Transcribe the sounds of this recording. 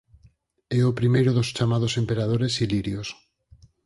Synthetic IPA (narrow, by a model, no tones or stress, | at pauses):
ɛopɾimejɾoðost͡ʃamaðosempeɾað̞oɾesiliɾjos